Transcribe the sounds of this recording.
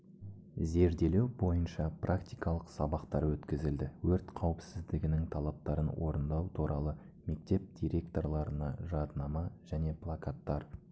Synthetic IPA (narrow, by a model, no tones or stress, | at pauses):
ze̞ɾd̪e̞le̞wbo̞jənʃɑprʔakt̪ijkɑlˠəqsɑbɑqt̪ɑɾwɵt̪kʲɪzɪld̪ɪwɵɾt̪qʰɑwəpsɪzd̪ɪɡʲɪnɪŋt̪ʰɑlˠɑp̚t̪ɑɾənwʔo̞̰ɾənd̪ɑwt̪ʰuɾɑlˠə | me̞k̚t̪e̞p̚d̪̥ʲijɾe̞k̚t̪o̞rlˠɑɾənɑ̰ʒɑd̪nɑmɑʒ̥æne̞plˠakat̪ːɑɾ